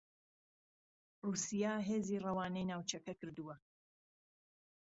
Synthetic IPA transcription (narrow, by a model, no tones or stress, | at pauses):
ruːsijaːɦeːziːrɐwaːnɛjnaːwt͡ʃɐkɐkɨɾd̪uwɐ